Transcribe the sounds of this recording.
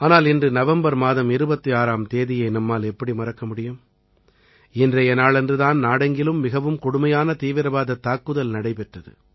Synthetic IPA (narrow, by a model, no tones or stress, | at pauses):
aːnaːlɪndrɯnɐʋɐmbɐɾmaːðɐmɪɾɯbɐt̪ːɯaːɾaːmt̪eːðɪjɐɪnɐmːaːlɛpːɐɽimɐɾɐkːɐmʊɽɪjɯm | ɪndrɐjɛnaːɭɛndrɯðaːnnaːɽɐŋɡɪlɯmːɪɣɐʋɯmkʊɽʊmɐjaːnɐt̪iːʋɪɾɐbaːðɐt̪ːaːkːɯðɐlnɐɽɐɪpɛʈrɐðɯ̰